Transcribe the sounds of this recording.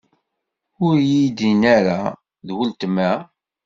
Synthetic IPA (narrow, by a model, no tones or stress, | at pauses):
ʊɾjid̪inæɾa | ðwəlt̪əmːæ